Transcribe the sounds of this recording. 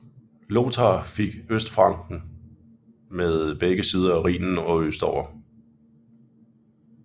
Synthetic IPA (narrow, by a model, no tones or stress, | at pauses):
lo̝t͡sʰɑfe̝ɡ̥øsd̥fʁɑ̈ŋɡ̥n̩ | meðˠb̥eɡ̥əsiːð̞ˠɐæʁḭːnn̩ɒ̽øsd̥ɒʊɐ